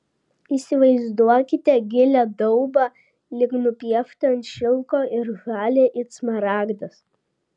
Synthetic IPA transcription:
iːsʲɪʋɐɪzd̪uɔkʲɪt̪ʲɛɡʲɪlʲæd̪ɔʊbɑ | lʲɪknʊpʲiɛft̪ɐɐnʲt̪ʲʃʲɪlˠkoːʔɪɾɣɑːlʲeːʔɪt̪smɐɾɑːɡd̪ɐs

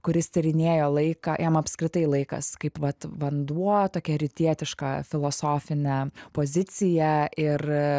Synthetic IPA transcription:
kʊɾʲɪst̪ʲɐɾʲɪnʲeːjoːlˠɐɪkɑːjɛmɐpʲskɾʲɪt̪ɐɪlˠɐɪkɐ̰skɐɪpʋɐt̪ʋɐnd̪uɔt̪oːkʲɛɾʲɪt̪ʲiɛt̪ʲɪʃkɑfʲɪlˠoːsoːfʲɪnʲɛpoːzʲɪt͡s̪ʲɪjɛʔɪr

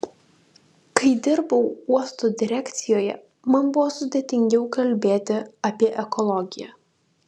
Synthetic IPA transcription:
kɐɪd̪ʲɪɾbɐʊuɔst̪oːd̪ʲɪɾʲækʲt̪sʲɪjoːjɛ̰ | mɐnbʊʋɔːsʊd̪ʲeːt̪ʲɪŋʲɡʲɛʊkɐlʲbʲeːt̪ʲɪɐpʲiɛʔɛkɔlˠɔɡʲɪjæ̰

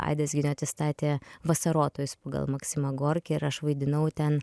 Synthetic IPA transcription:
ɑ̰ɪd̪ɐsɡʲɪnʲoɐt̪ʲɪst̪ɑːt̪ʲeːʋɐsɐɾoːt̪oːjʊspɐɡɐ̰lˠmɐksʲɪmɐɡoːɾʲkʲɛɪɾɐʃʋɐɪd̪ʲɪnɐʊt̪ʲɛn

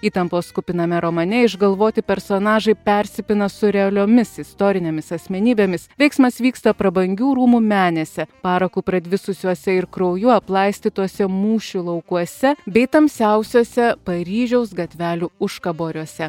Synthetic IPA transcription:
iːt̪ɐmpoːskʊpʲɪnɐmʲɛɾomɐnʲɛɪʒɡɐlˠʋoːt̪ʲɪpʲɛɾsoːnɑːʒɐɪpʲɛɾʲsʲɪpʲɪnɐsʊɾʲɛɐlʲoːmʲɪsɪst̪oːɾʲɪnʲeːmʲɪsɐsʲmʲɛnʲiːbʲeːmʲɪsʋʲɛɪksmɐsʋʲiːkst̪ɐpɾɐbɐŋʲɡʲuːɾuːmumʲæːnʲɛsʲɛpɑːɾɐkuːpɾɐd̪ʲʋʲɪsʊsʲuɔsʲɛɪɾkɾɐʊjuɐplˠɐɪsʲt̪ʲiːt̪uɔsʲɛmuːʃʲulˠɐʊkuɔsʲɛbʲɛɪt̪ɐmʲsʲɛʊsʲoːsʲɛpɐɾʲiːʒʲɛʊsɡɐt̪ʲʋʲæːlʲuːʊʃkɐboːɾʲuɔsʲɛ

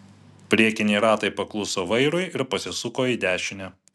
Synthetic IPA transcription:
pʲɾʲiɛkʲɪnʲɛɪɾɑːt̪ɐɪpɐklˠʊsoːʋɐɪɾʊɪɪɾpɐsʲɪsʊkoːiːd̪ʲæːʃʲɪnʲɛ

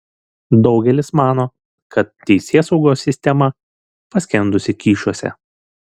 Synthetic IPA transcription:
d̪ɒʊɡʲɛlʲɪsmɑːnoː | kɐt̪ːʲɛɪsʲeːsɒʊɡoːsʲːɪsʲt̪ʲɛmɐ | pɐsʲkʲɛnd̪ʊsʲɪkʲiːʃuɔsʲɛ̰

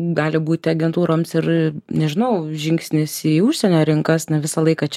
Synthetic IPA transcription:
ɡɑːlʲɪbuːt̪ʲɪɐɡʲɛnt̪uːɾoːmsɪrnʲɛʒʲɪnɐʊʒʲɪŋksʲnʲɪsiʊʃʲsʲɛnʲoːɾʲɪŋkɐsnʲɛʋʲɪsɐlˠɐɪkɐt͡ʃʲɛ

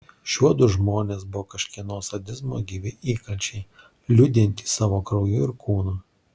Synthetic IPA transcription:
ʃʲuɔd̪ʊʒmoːnʲeːsbʊoːkɐʃʲkʲiɛnoːsɐd̪ʲɪzmoːɡʲiːʋʲɪʔiːkɐlʲt͡ʃʲɛɪ | lʲʊd̪ʲɪnʲt̪ʲiːsɑːʋoːkɾɐʊjuːɪɾkuːnuː

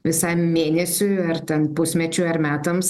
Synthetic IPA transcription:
ʋʲɪsɐɪmmʲeːnʲɛsʲʊɪɐɾt̪ʲɛnpʊsʲmʲɛt͡ʃʲʊɐɾmʲæːt̪ɐms

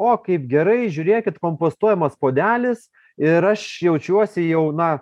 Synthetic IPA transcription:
oːkɐɪpɡʲɛɾɐɪʒʲuːɾʲeːkʲɪt̪koːmpoːst̪uɔjɛmɐspoːd̪ʲæːlʲɪs | ɪɾɐʃjɛʊt͡ʃʲuɔsʲɪjɛʊnɐ

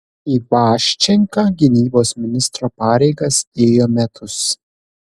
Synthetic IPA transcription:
iːʋɑːʃʲt͡ʃʲɛŋkɑːɡʲɪnʲiːboːsmʲɪnʲɪst̪ɾoːpɑːɾʲɛɪɡɐseːjoːmʲɛt̪ʰʊs

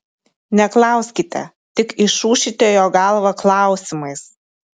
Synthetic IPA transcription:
nʲɛklˠɐˑʊsʲkʲɪt̪ʲɛ̰ | t̪ʲɪkɪʃuːʃʲɪt̪ʲoːjoːɡɑlˠʋɐklˠɑˑʊsʲɪmɐɪs

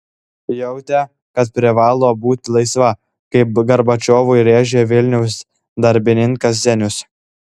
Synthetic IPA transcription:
jɛʊt̪ʲɛ | kɐt̪̚pʲɾʲɪʋɑːlˠoːbuːt̪ʲɪlˠɐɪsʋɐ | kɐɪpɡɐɾbɐt͡ʃʲoːʋʊɪɾʲeːʒʲeʋʲɪlʲnʲɛʊs | d̪ɐɾʲbʲɪnʲɪŋkɐs̬zʲɛnʲʊs

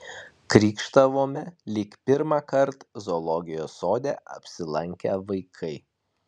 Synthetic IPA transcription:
kɾʲiːkʃt̪ɐʋoːmʲɛlʲiːkpʲɪɾmɑːkɐɾt̪zolˠɔɡʲɪjoːsoːd̪ʲɛɐ̰pʲsʲɪlˠɐŋʲkʲɛʋɐɪkʰɐɪ

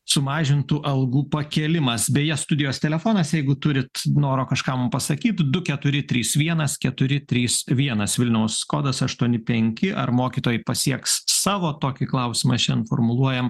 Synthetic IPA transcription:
sʊmɑːʒʲɪnt̪uːʔɐlˠɡuːpɐkʲɛːlʲɪmɐsbʲɛjɛst̪ʊd̪ʲɪjoːst̪ʲɛlʲɛfoːnɐsjɛɪɡʊt̪ʊɾʲɪt̪noːɾoːkɐʃkɑːmʊmpɐsɐkʲiːt̪d̪ʊkʲɛt̪ʊɾʲɪt̪ʲɾʲiːsʋʲiɛnɐskʲɛt̪ʊɾʲɪt̪ʲɾʲiːsʋʲiɛnɐsʋʲɪlʲnʲɛʊsːkoːd̪ɐsɐʃt̪uɔnʲɪpʲɛŋʲkʲɪʔɐrmoːkʲiːt̪oːjɪpɐsʲiɛkssɑːʋoːt̪oːkʲɪklˠɐʊsʲɪmɐʃʲɛnfo̰ːrmʊlˠuɔjɛm

